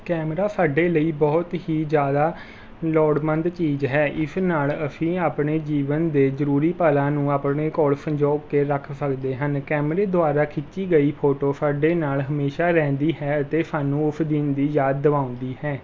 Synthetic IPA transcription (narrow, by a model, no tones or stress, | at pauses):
kɛːmɾaːsaːɖeːləiːbɔːt̪ɦiːzjaːd̪aː | lɔːɽmənd̪t͡ʃiːzɦɛːʔɪsnaːləpʰĩːaːpɳeːd͡ʒiːʋənd̪eːzəɾuːɾiːpaːlãːnũːaːpɳeːkɔɭsə̃ɲd͡ʒɔːkeːɾəkʰsəkd̪eːɦənkɛːmɾeːd̪ʊaːɾaːkʰɪt͡ʃt͡ʃːiːɡəiːpʰoːʈoːsaːɖeːnaːlɦəmeːʃaːɾɛ̃ːnd̪iːɦɛːət̪eːsaːnũːʊpʰd̪ɪnd̪iːjaːd̪̚ːəʋãːʊ̃nd̪iːɦɛː